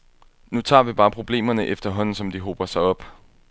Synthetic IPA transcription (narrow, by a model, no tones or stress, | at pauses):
nut͡sʰɑ̰̈ːʋib̥ɑ̈ːpʰʁo̝b̥le̝̰ːmɐnəʔefd̥ɐɦɒ̽n̰n̩sɒ̽md̥iɦob̥ɐsɑ̈ɪɒ̽b̥